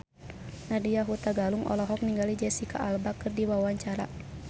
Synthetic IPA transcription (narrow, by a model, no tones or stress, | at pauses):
nadijaɦut̪aɡaluŋʔɔ̰lɔɦɔk̚niŋɡalid͡ʒɛsika̰ʔːlbakɨrdiwawaɲt͡ʃaɾa